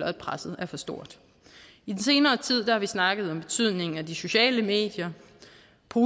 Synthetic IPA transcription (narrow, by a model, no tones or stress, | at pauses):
lɐæ̥pʰʁasð̩ˠæɐfɒ̽sd̥o̝ɐ̰d̥ | id̥ense̝ːnɐːt͡sʰið̰ˠd̥ɑ̈hɑ̈ʋisnɑ̈ɡ̥əð̞̩ˠɒ̽mb̥e̝t͡sʰyð̰ˠne̝ŋ̩æd̥iso̝ɕɛ̰ːləme̝̰ːd̥jɐ | pʰo̝ː